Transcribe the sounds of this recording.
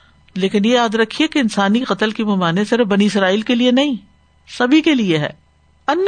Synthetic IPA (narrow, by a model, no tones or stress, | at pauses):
leːkɪnjejaːd̪ɾɐkʰːiɦekeɪnsaːniqɐt̪əlkimɐmaːnẽsɪɾəfbɐniɪsɾaːiːlkelienɐɦĩ | sɐbʱikelieɦɛ̰ː | ɐnː